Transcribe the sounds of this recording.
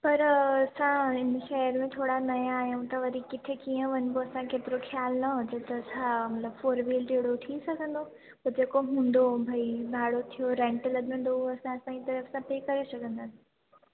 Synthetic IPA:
pɐɾɐsãɪnəʃɐɦəɾmẽt̪ʰoːɽanɐjãaːɦjũt̪ɐʋɐɾikɪt̪ʰɪkijə̃ʋɐɲboɐsãkeːt̪ɪɾoxjaːlnɐɦʊd͡ʑət̪ɐsãmɐt̪ləbfoːɾʋiːlɖeːɽoʈʰĩsɐɡʱə̃nd̪o | pɐd͡ʑeːkoɦũːnd̪obʱɐibʱaːɽot̪ʰijoɾɛ̃ɳʈlɐɠə̃n̆d̪oɐsãɐsãːd͡ʑit̪ɐɾəfsãpeːkɐɾesɐɡʱə̃nd̪asɪ̥

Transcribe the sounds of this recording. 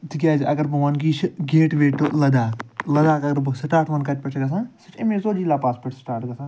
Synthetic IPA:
t̪ikʲaːd͡ʒɐɡɐɾbɐʋɐnkiːt͡ʃʰɡeːʈʋeːʈlɐd̪aːklɐd̪aːkɐɡɐɾbsʈaːɾʈʋɐnkɐʈʲpɐt͡ʃʰɡɐs̬ãːsit͡ʃʰimẽːzoːd͡ʒiːlaːpaːspəɾʈsʈaːɾʈɡɐsʰãː

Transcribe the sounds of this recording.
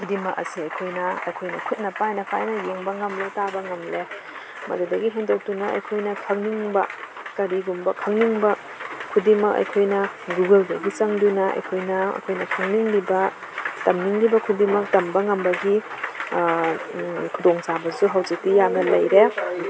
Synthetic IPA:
kʰudimɐkɐ̰siɐjkʰojnɐɐ̰jkʰojnɐkʰut̚nɐpʰajnɐpʰajnɐjeŋbɐŋɐmletabɐŋɐmle | mɐ̰dudɐɡiɦendok̚tunɐɐ̰jkʰojnɐkʰɐŋniŋbɐ | kɐɾiɡumbɐkʰɐŋniŋbɐ | kʰudimɐkɐ̰jkʰojnɐɡuɡeldɐɡit͡ʃɐŋdunɐɐ̰jkʰojnɐɐ̰jkʰojnɐkʰɐŋniŋlibɐ | tɐmniŋlibɐkʰudimɐk̚tɐmbɐŋɐmbɐɡi | kʰudoŋsabɐsuɦawzik̚tijamnɐlɐjɾe

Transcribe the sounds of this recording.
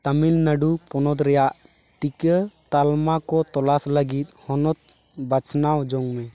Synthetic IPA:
t̪amilnəɖupɔnɔt̪ɾɛjaʔ | ʈikət̪almakɔt̪ɔlasləɡit̪̚ˀhɔnɔt̪̚ | bat͡ʃnawd͡ʒɔŋmɛ

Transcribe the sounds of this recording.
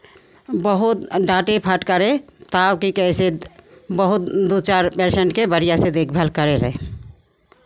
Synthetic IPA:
bəɦʊt̪ɖaʈepʰaʈkəɾet̪awkikɛsebəɦʊt̪̚d̪ot͡ʃaɾpeɾseɳʈkebəɾijased̪eːkʰbʱɛlkəɾeɾɛ̰ɦ

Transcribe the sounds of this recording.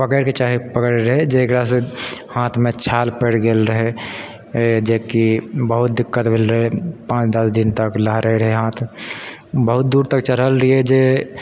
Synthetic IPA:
pəkəɾket͡ʃaɦepəkəɾɾəɦed͡ʒeːkɾas̬ehãːt̪ʰmẽt͡ʃʰaːlpeːɽɡeːlɾəɦe | d͡ʒekibəɦʊt̪̚d̪ɪkːət̪bʱelɾəɦepãːt͡ʃd̪əsd̪ɪnt̪əklaɦɾəɦeɾəɦeɦãːt̪ʰ | bəɦʊt̪̚d̪uːɾt̪əkt͡ʃəɾɦəlɾəied͡ʒe

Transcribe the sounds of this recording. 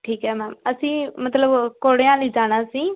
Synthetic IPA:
ʈʰiːkɦɛːmɛːməsĩːmət̪ləbkoːɽejãːləiːd͡ʒaːɽ̃aːsĩː

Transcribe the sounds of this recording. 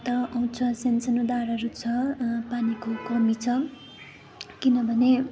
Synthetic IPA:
t̪ʌʌw̃t͡sʰʌsensʌnod̪aɾʌɾut͡sʰʌpanikokʌmit͡sʰʌ | kinʌbʱʌne

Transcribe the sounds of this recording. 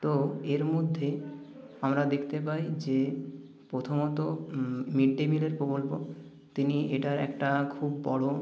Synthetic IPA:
t̪oeɾmod̪ʱːe | amɾad̪ekʰt̪epajd͡ʑe | pɾot̪ʰomot̪omiɖːemileɾpɾokolpo | t̪iniʔeʈaɾɛ̰kʈakʰubːɔɽo

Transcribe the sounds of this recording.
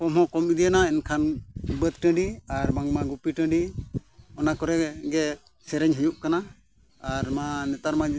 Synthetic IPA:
kɔmɦɔ̃kɔmid̪ijanaɛnkʰanbət̪̚ʈə̃ɖiaɾmaŋmaɡupiʈə̃ɖi | ɔnakɔɾɛɡɛ | sɛɾɛɲɦijuʔkana | aɾmanɛt̪aɾma

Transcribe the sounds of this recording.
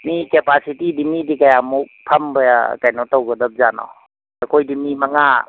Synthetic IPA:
mikepasitidimidikajamuk̚pʰɐmbəja̰kajnɔtawɡədɐp̚zanɔ̰ | akʰojdimimɐŋa

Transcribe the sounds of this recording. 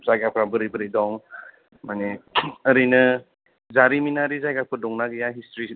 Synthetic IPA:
zajɡapʰɾabɯɾibɯɾidɔŋ | maneəɾinɯ | zaɾiminaɾizajɡapʰɯdɔŋnaɡɯjaɦistɾi

